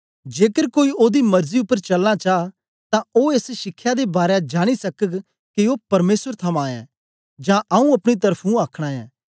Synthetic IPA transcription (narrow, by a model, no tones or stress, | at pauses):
d͡ʒeːkəɾkoːioːd̪imɐɾziʊpːəɾt͡ʃɐlːat͡ʃaː | t̪ãoeːsʃɪkʰːjad̪ebaːɾjad͡ʒaːɽ̃isɐkəɡ | kiopɐɾmeːsəɾt̪ʰɐmãːɛ̰̃ː | d͡ʒãʔɐũɐpɽ̃it̪̬ɐɾpʰũaːkʰɽ̃aːɛ̃ː